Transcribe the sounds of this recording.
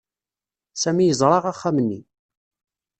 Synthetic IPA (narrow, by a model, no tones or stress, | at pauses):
sæmijəzˤɾˤɑʁaχːæmənːḭ